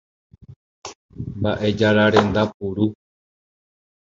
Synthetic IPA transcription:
mbaʔe̞d͡ʒaɾaɾẽ̞nd̪apuɾu

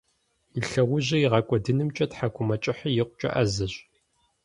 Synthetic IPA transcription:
iɬɐʁʷʊʑɐjiʁɑkʷʼɔdɨnɨmt͡ʃʼɐtħakʷʰʼʊmɐt͡ʃʼɪħijɪqʷʊt͡ʃʼɐ̰ʔɐzɐɕ

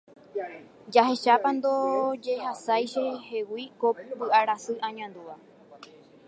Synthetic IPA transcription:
d͡ʒaɦe̞ʃapand̪o̞d͡ʒe̞ɦasajʃe̞he̞wikobɨʔaɾasɨʔãɲãnd̪uʋa

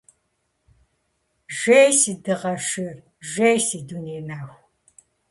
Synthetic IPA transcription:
ʒʷejsidɨʁɐʃɪr | ʒʷejsiduneːnaːwʷ

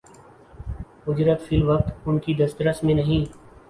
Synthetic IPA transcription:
ʊd͡ʒɾət̪fʰɪlʋək̚t̪ʊnkid̪ɐst̪ɾəsmẽnɐɦĩː

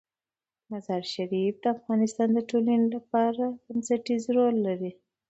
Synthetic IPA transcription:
mazɑɾʃaɾifd̪əafɣɑnɪst̪ɑnd̪əʈolənolapɑɾaɡansaʈizɾolːaɾi

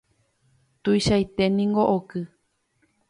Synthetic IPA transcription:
t̪ujʃajt̪e̞nĩŋɡo̞ʔokɨ

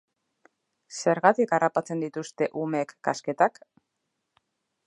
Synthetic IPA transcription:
se̞ɾɣat̪ikarapat͡se̞nd̪it̪ust̪e̞ʔumekːaske̞t̪ak

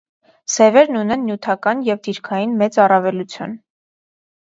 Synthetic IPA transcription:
sɛvɛɾnunɛnːjut̪ʰɑkɑnjɛvd̪iɾkʰɑjinmɛt͡sɑrɑvɛlut͡sʰjṵn

